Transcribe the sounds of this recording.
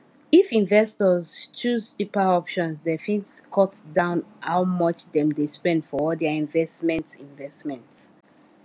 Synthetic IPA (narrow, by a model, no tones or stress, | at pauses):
ifĩnvɛstɔzt͡ʃuzdipaɔpʃɔ̃nsdɛfĩnskʰɔtdãʊ̃nhawmʌt͡ʃdɛ̃mdespɛ̃ndfɔɔldɛəĩnvɛstmɛ̃ntĩnvɛstmɛ̃nts